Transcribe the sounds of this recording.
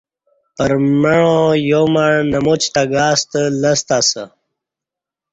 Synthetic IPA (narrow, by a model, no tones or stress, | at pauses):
pəɾməɻõjomaɻnɐmut͡ɕt̪aɡaːst̪ələst̪asə